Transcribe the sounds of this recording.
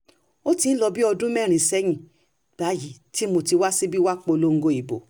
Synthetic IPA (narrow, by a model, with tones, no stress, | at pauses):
o˦tĩ˧˦n̩˦lɔ˧bi˦ɔ˧dũ˦mɛ̃˦˨ɾ̃ĩ˨sɛ˦j̃ĩ˨ | b̥a˨˦ji˨ti˦mo˧ti˧wa˦si˦bi˦wa˦k͡po˧lo˦ŋ̩˦ɡo˧˨i˨bo̰˨